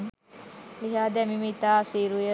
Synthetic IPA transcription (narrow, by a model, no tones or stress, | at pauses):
liɦaːd̪ɛmimit̪aːsiɾujə